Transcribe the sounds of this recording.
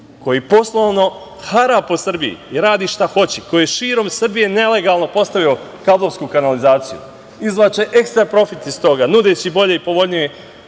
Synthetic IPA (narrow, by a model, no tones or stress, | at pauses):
ko̞jipo̞slˠoʋno̞ | xaɾapo̞sr̩bijḭiɾaːd̪iʃt̪axo̞t͡ɕiko̞jjeʃiːɾo̞msr̩bije̞ne̞le̞ɡalˠno̞po̞st̪aʋio̞kablˠo̞ʋskukanalizaːt̪sijṵ | izlˠaːt͡ʃe̞ʔekst̪ɾapɾo̞fit̪ist̪o̞ɡanud̪eːt͡ɕibo̞ʎe̞ipo̞ʋo̞ʎɲije̞